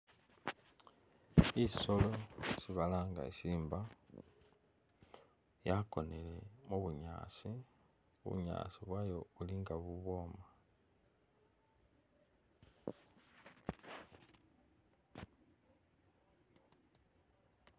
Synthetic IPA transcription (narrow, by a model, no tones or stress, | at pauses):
iso̞lo̞siβalaːŋɡa̰ḛsiːmba | jako̞nele̞muβuɲa̰ːsi | ṵɲa̰ːsiβwajo̞uliŋɡaβuβo̞ːma